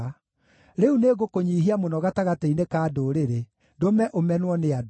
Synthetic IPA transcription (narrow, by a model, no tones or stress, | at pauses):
ɾeuneɣokoɲiːɦiamonɔɣataɣateinekaːdoːɾeɾe | domɛʔomɛnwɔnead